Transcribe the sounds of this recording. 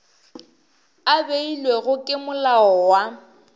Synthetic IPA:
abeilweɣʊkʼɪmʊlaɔwa

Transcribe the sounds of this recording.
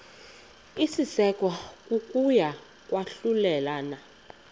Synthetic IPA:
isisɛkʼwakʼuk̬ʼuja | k̬ʼwaɬulɛlana

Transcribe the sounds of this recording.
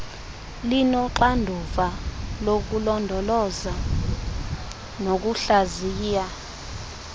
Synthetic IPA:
linɔǃandʱuvalok̬ulɔndʱɔlɔza | nok̬uɬaziːja

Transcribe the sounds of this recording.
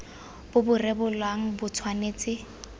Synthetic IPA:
b̥ʊbʊrebʊlwaŋ̩bʊt͡sʰwaneːt͡sʼɪ

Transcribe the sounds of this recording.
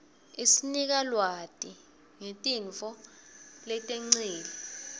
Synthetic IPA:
isinik̬alwatʼi | ŋetʼiɱfɔ | lɛtʼeŋ͡ǀiːli

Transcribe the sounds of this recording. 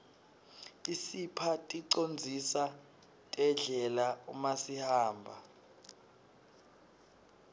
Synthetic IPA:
isipʰatʼiǀond͡zʱisa | tʼɛɮɛlaumasihaːmbʱa

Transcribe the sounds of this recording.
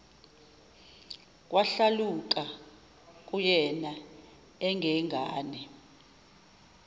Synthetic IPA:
k̬ʼwaɬalukʼa | k̬ʼujɛna | ɛŋɡʱɛŋʱaːnɛ

